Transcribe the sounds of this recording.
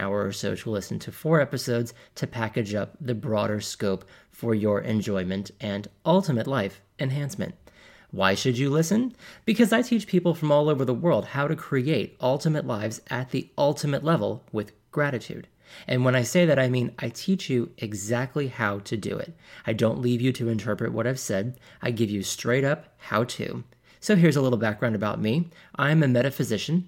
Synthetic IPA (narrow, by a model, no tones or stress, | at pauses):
a̰ʊə˞ə˞soʊtʰəlɪsn̩tʰɨfɔɹɛpɨsoʊdz̥tʰɨpʰækɨd͡ʒʌp̚ðɨbɹɔɾə˞skoʊp | fə˞jə˞ʔɨ̰̃nd͡ʒɔ̃ɪ̃mɨ̃ntʔɨ̃nʔʌlˠtəmɨtˡlaɪf | ɨ̃nɦæ̃nsmɨ̰̃nʔ̚ | waɪʃɨd͡ʒɨlɪsɨ̃nb̥ɨkʰʌzaɪtʰit͡ʃpʰipl̩ˠfɹʌ̃mɔlˠoʊvə˞ðəwɜ˞lˠd̚haʊɾɨkʰɹ̥ieɪɾʔʌlˠtɨmɨtˡlaɪvzɨt̪̚ðiʔʌlˠtʰɨmɨtˡlɛvl̩ˠwɪð̥ | ɡ̥ɹæɾɨtʰʉ̰ɾ | ʔɨ̃nwə̃ñaɪseɪðɨɾaɪmĩnʔaɪtʰit͡ʃjɨʔɨɡzæk̚tʰˡlihaʊɾɨdɨ̰ɪ̰ɾaɪdõʊ̃nʔˡlivjɨɾɨɨ̃ntʰɜ˞pɹɨ̰ʔ̚wʌ̰ɾaɪv̥sɛd | ʔaɪɡɪvjɨstɹ̥eɪɾʌphaʊtʰʉ̰ | soʊɦɪɹzəlɪɾl̩ˠbæk̚ɡɹãʊ̃ndɨbaʊt̚mi | ʔãɪ̃mɨmɛɾɨfɨzɪʃɨ̃n̩